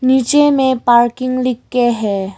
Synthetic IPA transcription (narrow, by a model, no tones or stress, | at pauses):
nit͡ʃemẽpaɾkiŋlikːeɦɛ